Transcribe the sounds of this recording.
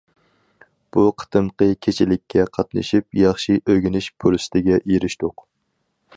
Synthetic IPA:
b̥uqʰə̥t̪ʰɨmqəkʲʰet͡ʃʰɪlɪkʲʰːɛqʰɑt̪nɨ̰ʃip̚jɑχʃiʔøɡʲinɪʃpʰuɾsɪ̥t̪ʰɪɡʲɛʔeɾɪʃt̪ʊq

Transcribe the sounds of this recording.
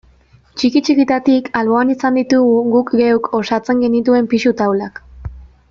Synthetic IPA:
t͡ʃikit͡ʃikit̪at̪ikalβo̞anisand̪it̪uɣuɣukɡewkʰo̞sat͡se̞ŋɡe̞nit̪ue̞mpisut̪awlak

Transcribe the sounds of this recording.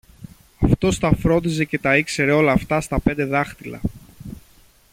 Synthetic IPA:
ɐft̪o̞st̪ɐfɾo̞nd̪ize̞ce̞t̪ɐikse̞ɾe̞o̞lɐːft̪ɐst̪ɐpe̞nd̪e̞ðɐxt̪ilɐ̰

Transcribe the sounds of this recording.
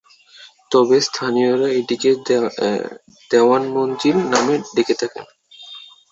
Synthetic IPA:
t̪ɔbest̪ʰanijoɾaeʈike | d̪̥eanmond̪iɾnameɖeket̪ʰakḛn

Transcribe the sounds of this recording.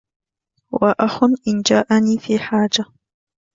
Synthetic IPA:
wʔaʔaxʊnʔɪnd͡ʒaːʔaniːfiːħaːd͡ʒa

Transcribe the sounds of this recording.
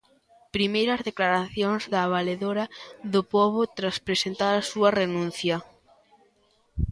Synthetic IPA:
pɾimejɾɐzðeklaɾaθjoŋzðaːβ̞aleðoɾɐðʊpɔβʊt̪ɾaspɾesent̪aɾɐsuɐrenũn̟θjɐ

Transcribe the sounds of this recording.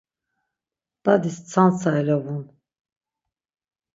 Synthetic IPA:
b̪̥ad̪ist͡sʰant͡sʰaɛlɔvun

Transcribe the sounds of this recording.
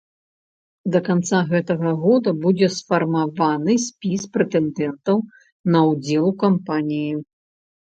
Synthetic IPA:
d̪ɐkant̪saɣɛt̪ɐɣɐɣɔd̪ɐbud͡zʲɛsfɐrmavanɨsʲpʲispɾɛt̪ɛnd̪ɛnt̪ɐw | nɐwd͡zʲɛlˠukampanʲiji

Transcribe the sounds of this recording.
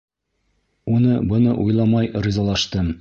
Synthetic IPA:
unɤbɤ̆nɤʔujlˠɑmɑjɾizɑlˠɑʃt̪ɤm

